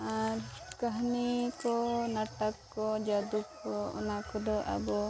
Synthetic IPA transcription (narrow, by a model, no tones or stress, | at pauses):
aɾkəɦnikɔnaʈəkːɔd͡ʒad̪ukːɔɔ̰nakɔd̪ɔʔa̰bɔ